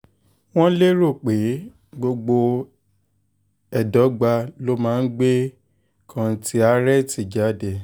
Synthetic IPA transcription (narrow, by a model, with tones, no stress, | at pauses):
w̃ɔ̃˦le˦ɾo˦˨k͡pe˨˦ | ɡ͡bo˧ɡ͡bo˧ | ɛ˨dɔ˨˦ɡ͡ba˧lo˦mãː˦˧˦n̩˦ɡ͡be˦ | kʰã˧˨ti˦a˧˦ɾɛ˦ti˨d͡ʒa˨˦dɛ˨